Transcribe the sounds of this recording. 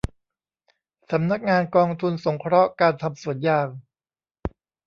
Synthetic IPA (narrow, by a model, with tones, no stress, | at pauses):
sa˩˦mna˦˥k̚ŋaː˧nkɔː˧ŋt̪ʰu˧nso˩˦ŋkʰɾɔ˦˥ʔkaː˧nt̪ʰa˧msu˨˩ənjaː˧˩ŋ